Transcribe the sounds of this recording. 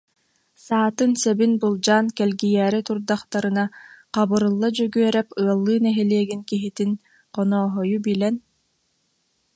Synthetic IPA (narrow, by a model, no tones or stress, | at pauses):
saːt̪ɯnsɛbinbulˠd͡ʑaːnkɛlɡijæːɾit̪uɾd̪aχt̪aɾɯnaqabɯɾɯlˠːad͡ʑœɡyœɾɛpɯɐlˠːɯːnɛɦɛliɛɡinkiɦit̪in | qɔnɔːɦɔjubilɛn